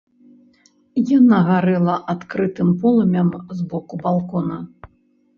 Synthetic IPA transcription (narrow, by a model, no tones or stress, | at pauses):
janaɣaɾɛlˠɐʔat̪kɾɨt̪ɨmpɔlˠɐmʲɐmzbɔkubalˠkɔnɐ